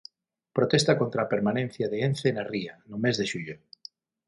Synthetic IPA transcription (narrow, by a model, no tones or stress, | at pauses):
pɾot̪est̪akont̪ɾaːpeɾmanẽn̟θjaðeen̟θenarianʊmezðeʃuʎo